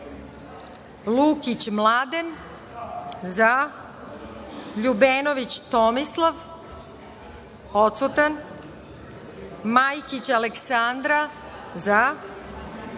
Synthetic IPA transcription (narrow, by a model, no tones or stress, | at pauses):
lukit͡ɕmlaːd̪en | za | ʎubenoʋit͡ɕt̪omislˠaʋ | ot̪sut̪an | majkit͡ɕaleksand̪ɾa | za